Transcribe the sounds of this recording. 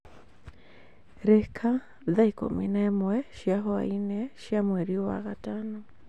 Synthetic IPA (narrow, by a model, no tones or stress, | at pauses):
ɾekʰa | ðaiko̰mḭnamwɛʃiaɦoa̰inɛʃjamweɾiowa̰ɣatano